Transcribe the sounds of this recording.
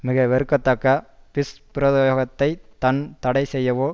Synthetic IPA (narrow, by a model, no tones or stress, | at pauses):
mɪɣɐʋɛɾɯkːɐt̪ːɐkːɐpɪspɪɾɐðjoːɣɐt̪ːɐɪt̪ɐnt̪ɐɽɐɪsɛjːɐʋoː